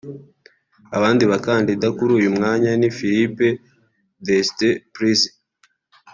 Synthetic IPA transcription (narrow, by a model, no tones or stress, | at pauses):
aβaːndiβakaːndidakuɾuːjumŋaːɲanifiɾipe | destepɾizi